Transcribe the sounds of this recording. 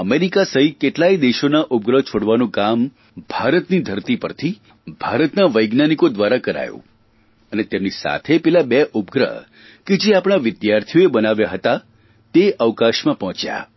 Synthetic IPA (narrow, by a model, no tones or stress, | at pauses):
əmeɾikasəɦikeʈlaid̪eʃonaʔʊp̚ɡɾəɦt͡ʃʰoɽʋanõkam | bʱaɾət̪nid̪ʱəɾt̪ipə̰ɾt̪ʰi | b̥ʱaɾət̪naʋəjɡnanikod̪ʋaɾakəɾa̰jõ̰ | ənet̪emnisa̰t̪ʰepɛlabeʔʊp̚ɡɾə̰ɦ | ked͡ʒeapɽ̃aʋɪd̪jaɾt̪ʰijoebənaʋjaɦət̪a | t̪eʔəʋkaʃmãpɔɦɔ̃t͡ʃja̰